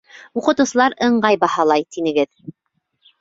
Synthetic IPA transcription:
uqɤ̆t̪ɤ̆sɤ̆lˠɑɾɤ̆ɴɢɑjbɑhɑlˠɑjt̪inɘ̆ɡɘð

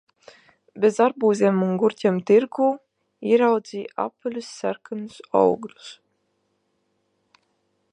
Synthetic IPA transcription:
bʲezaɾbuːzʲeːmuŋɡuɾtʲɛmt̪iɾɡuː | iɾawd̪ziːa̰pɨlʲusːæɾkanusɔ̰wɡlʲu̥s

